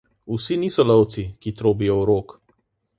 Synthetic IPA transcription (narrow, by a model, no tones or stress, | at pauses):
usiniːsɔlɔwt̪sikit̪ɾoːbijɔuɾoːk